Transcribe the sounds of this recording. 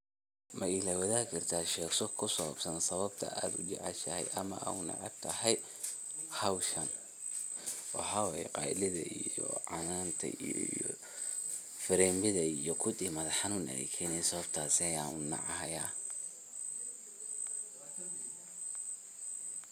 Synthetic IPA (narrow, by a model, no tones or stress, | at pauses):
mʔɐɪlawɐðaːhkʰɐrt̪ʰaːʃɛːɡsɔkʰʊsɔβbsɐnsɐβɐbt̪ʰɐ̰ʔaːd̪ʊt͡ʃɛ̰ʕɛʃɐhɛ̰jʔɐmɐ̰ʔa̰ːʊnɑ̰ʕɛ̰b̚t̪ʰɐɦɛj | hɐwʃɐn | wɑ̰ħɑːwajɛ̰qɑ̰jlɪðɐ̰ʔijjɔ̰ʕɑnaːnt̪ʰɐ̰ij̰ | fɪɾɛːmbɪðɐijɞkʰʊd̪iːmɐðɐħɑnuːnɐ̰ɛ̰kʰɛjnɛjsɐβɐbt̪ʰaːsɪɐjaːnʊnɑ̰ʕɑɦɐjaː